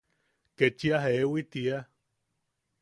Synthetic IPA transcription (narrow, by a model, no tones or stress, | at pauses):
ket͡ʃiaɦewit̪ia